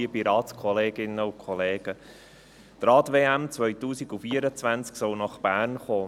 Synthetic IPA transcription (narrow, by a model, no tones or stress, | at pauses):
iəpiɾɑːtskʰɔleːɡɪnːəʊkʰχɔleːɡ̥ə | t̪ɾɑːtveːæmt͡svʋœjtuːsiɡufiəɾət͡sʋænt͡sksɔlnɑχb̥æːrnχoː